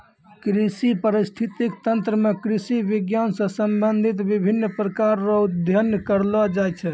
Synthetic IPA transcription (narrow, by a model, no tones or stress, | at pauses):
kɾisipəɾist̪ʰit̪ikt̪ənt̪ɾəmekɾisiʋiɡjansə̃səmbənd̪ʱit̪bibʱinːpɾəkaɾːɔud̪ʱjənəkəɾlɔd͡ʒajt͡ʃʰɛ